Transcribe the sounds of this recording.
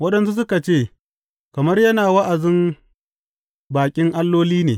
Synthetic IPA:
wɐ˦ɗɐ˨ns̬u˦s̬ʊ˦ka˨t͡ʃeː˦˨ | kɐ˨mɐ˦rjɐ˦naː˨wɐ˦ʔa˨zɪ˦m | baː˨kʲʼɪ˦ŋʔa˦lːoː˦liː˦neː˨

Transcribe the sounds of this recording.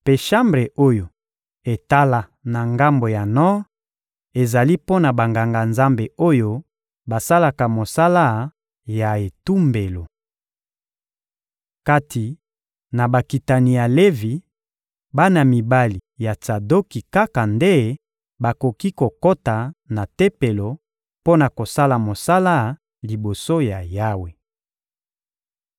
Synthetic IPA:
pe˨ʃa˦mbʁe˨ʔo˦jo˨ | e˨ta˦la˨ | na˨ŋɡa˦mbo˨ja˨nɔ˦ | e˨za˨li˦po˦na˨ba˨ŋɡa˨ŋɡa˨nza˦mbe˨o˦jo˦ | ba˨sa˦la˨ka˨mo˨sa˦la˦ | ja˨e˨tu˦mbe˨lo˨ | ka˦tʰi˨ | na˨ba˨ki˨ta˨ni˨ja˨le˦vi˨ | ba˦na˨mi˨ba˦li˨ja˨t͡sa˨do˦ki˨ka˦ka˨nde˦ | ba˨ko˨ki˦ko˨ko˦ta˨na˨te˦pe˨lo˨ | po˦na˨ko˨sa˦la˨mo˨sa˦la˦ | li˨bo˨so˦ja˨ja˦we˨

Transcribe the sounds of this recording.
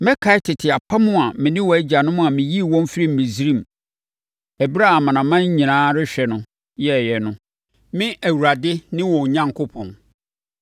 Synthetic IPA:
mɛ̃˦kʰa˨˦ɪ˦tʰɪ˨tʰɪ˨a˨pʰa˦mʊ̃˦a˨mɪ̃˨nɪ̃˦wɔ˨æ˦d͡ʑa˨nʊ̃˦mʊ̃˦a˨mɪ̃˨ji˦˨wɔ̃˦m˦fi˦ɾi˦m̩˨mĩ˨zi˦ɾĩ˦m˨ | æ˨bi˦ɾa˦a˨mã˨nã˨mã˦ɲ˦ɲĩ˨nãː˦ɾɪ˦ɕᶣɛ˨nʊ̃˦ | jɛ˦˨jɛ˨nʊ̃˦ | mɪ̃˦ʔæ˨wu˨ɾa˨dɪ˦nɪ̃˦wɔ̃˨ɲã˦ŋkʰʊ˦pʰɔ̃˨n

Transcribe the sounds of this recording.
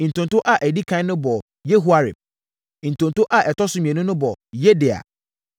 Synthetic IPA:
n̩˨tʊ̃˨ntʊ˦ʔa˨ʔæ˨di˦kʰã˦nʊ̃˦bɔ˨ | je˦ɦu˦a˨ɾɪ̰˨m̃˨ | n̩˨tʊ̃˨ntʊ˦ʔa˦˨ʔɛ˨tʰɔ˦sʊ˦mĩ˨ɛ̃˨nʊ̃˦nʊ̃˦bɔ˨jɛ˦dɪ˨a̰˨

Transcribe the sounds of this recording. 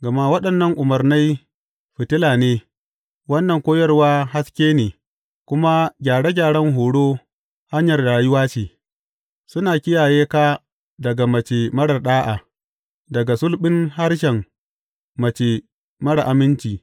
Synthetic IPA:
ɡɐ˨ma˦wɐ˦ɗɐ˨nːɐ˦ŋʔʊ˨mɐ˨rna˦j | ɸɪ˨tɪ˦laː˨neː˦ | wɐ˦nːɐ˨ŋkʷoː˦jɐ˦rwaː˦ɦa˦skʲeː˦neː˨ | kʷʊ˦ma˦ɡʲaː˨ɽe˦ɡʲaː˨ɽɐ˦ŋɦoː˨ɽoː˦ | ha˦ɲjɐ˨rda˨a˨jʊ˦waː˦t͡ʃeː˨ | sʊ˦naː˨kʲɪ˦jaː˨jeː˦kaː˦ | dɐ˨ɡa˨mɐ˨t͡ʃeː˨mɐ˦ɽɐ˨rɗaː˦ʔaː˨ | dɐ˨ɡa˨sʊ˦lɓɪ˦ŋha˦rʃ̬ɛ˨ŋː | ɐ˨t͡ʃe˨ | mɐ˦ɽa˨ʔa˨mɪ˦nt͡ʃiː˨

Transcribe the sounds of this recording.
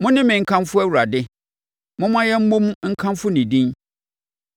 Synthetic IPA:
mʊ̃˦nɪ̃˦mɪ̃˨ŋ̩˦kʰã˦mfʊ˦æ˦wu˨ɾa˨dɪ˦ | mʊ̃˦mã˦jɛ˦m̩˦mõ˦mŋ̩˦kʰã˦mfʊ˦nĩ˨dĩ˦n

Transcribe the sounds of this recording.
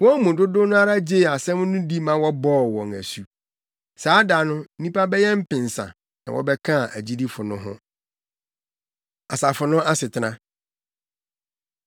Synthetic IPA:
wɔ̃˦mũ˨dʊ˦dʊ̃˦nʊ̃˦a˦ɾa˦d͡ʑe˦˨a˨sɛ̃˦m˦nʊ̃˦di˦mã˦wɔ˦bɔː˦˨wɔ̃˨ŋæ̰˨su˨ | saː˨˦da˨nʊ̃˦n̩˦nĩ˦pa˦bɛ˦jɛ˦m̩˦pɪ̃˨n˨sã̰˨ | nã̰˨wɔ̰˦bɛ˦kʰã˦˨æ˨d͡ʑi˦di˦fʊ˨nʊ̃˦ɦʊ̰̃˦ | a˨sa˨fʊ˨nʊ̃˦a˦sɪ˨tʰɪ˨nã˦

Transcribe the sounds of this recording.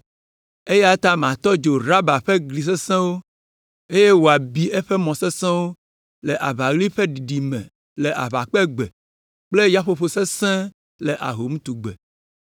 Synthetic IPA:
e˦ja˦t̪ã˦m˨ã˨t̪ɔ˦d͡ʒo˨ɾa˦ba˨ɸe˦ɡli˨s̬e˦sɛ̃˦wo˦ | e˦je˦wo˨a˨bi˦e˦ɸe˦mɔ̃˨se˦sɛ̃˦wo˦ | lɛ˨ʔa˨βa˨ɣli˦ɸe˦ɖi˨ɖi˨mɛ̰̃˨ | le˨ʔa̰˨βa˨k͡pɛ˦ɡ͡bɛ˨ | k͡ple˦ja˦ɸo˨ɸo˨se˦sɛ̃˦ | le˨ʔa̰˨ɦo˨mũ˦t̪u˨ɡ͡be˨

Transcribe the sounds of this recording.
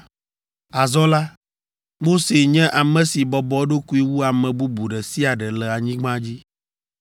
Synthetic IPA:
a˨zɔ˦la˦ | wo˦se˨ɲɛ̃˦ʔa˨mɛ̃˨si˨bɔ˨bɔ˨˦ɖo˦ku˦i˦wu˦a˨mɛ̃˨bu˦bu˨ɖɛ˨si˦a˨ɖɛ˨lɛ˨a˨ɲĩ˦ɡ͡bã˦d͡ʑi˦

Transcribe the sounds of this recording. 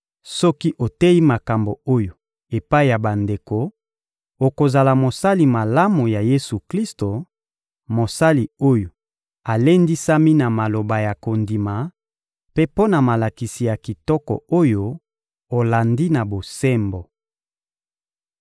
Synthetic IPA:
sɔ˦ki˦ʔo˨te˦ji˦ma˨ka˨mbo˨o˦jo˨ | e˨pa˦i˨ja˨ba˨nde˨ko˨ | o˨ko˨za˨la˨mo˨sa˦li˨ma˨la˦mo˨ja˨je˦su˨kli˦sto˨ | mo˨sa˦li˨o˦jo˨ | a˨le˦ndi˦sa˦mi˦na˨ma˨lo˨ba˨ja˨ko˨ndi˨ma˨ | pe˦po˦na˨ma˨la˨ki˨si˨ja˨ki˨tɔ˦kɔ̰˨o˦jo˦ | o˨la˨ndi˦na˨bo˨sɛ˦mbo˨

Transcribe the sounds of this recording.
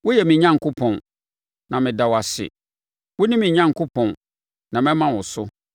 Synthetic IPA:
wʊ˦jɛ˨mɪ̃˨ɲã˦ŋkʰʊ˦pʰɔ̃˨n | nã˨mɪ̃˨da˨wa˨sɪ̰˨ | wʊ˦nĩ˦mɪ̃˨ɲã˦ŋ˨kʰʊ˦pʰɔ̃˨n | nã˨mɛ̃˦mã˦wʊ˨sʊ˦

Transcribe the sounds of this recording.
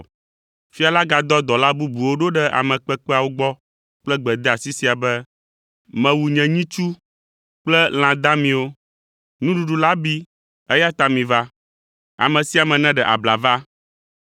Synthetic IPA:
fi˦a˨la˦ɡa˨d̪ɔ˦d̪ɔ˨la˦bu˦bu˨wo˦ɖo˦ɖɛ˦ʔa̰˨mɛ̃˨k͡pɛ˦k͡pɛ˦a˨wo˦ɡ͡bɔ˦ | k͡plɛ˦ɡ͡bɛ˨d̪ɛ˦a˨si˦si˨a˨bɛ˦ | mɛ̃˨wu˨ɲɛ̃˨ɲĩ˦t͡ʃu˦ | k͡plɛ˦l̃ã˨d̪a˦mĩ˨wo˦ | nũ˦ɖu˨ɖu˨la˦bi˦ | ɛ˦ja˦t̪a˨mĩ˨va˦ | a̰˨mɛ̃˨si˦a˨mɛ̃˨nɛ̃˦ɖɛ˨ʔa̰˨bla˨va˦

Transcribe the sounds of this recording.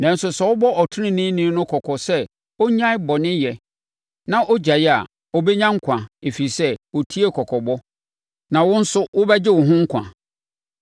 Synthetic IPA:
nã˨n̩˦sʊ˨sɛ˨wʊ˦bɔ˦ʔɔ˨tʰʊ˦ɪ̃˦nɪ̃˦nĩ˦nʊ̃˦kʰɔ˨kʰɔ˨sɛ˦ | o˦ɲã˦ɪ˦bɔ˨nɪ̃˦jɛ˨ | nã˦ʔo˦d͡ʑa˨jɛ˦a̰˨ | o˦be˦ɲã˦ŋ̩˦kʷʰã˨e˨fi˨sɛ˦wo˨tʰi˦e˦kʰɔ˨kʰɔ˨bɔ˦ | nã˨wʊ̃˦n̩˦sʊ˦wʊ˦bɛ˦d͡ʑɪ˦wʊ̃˨ɦʊ̃˦ŋ̩˦kʷʰã̰˨

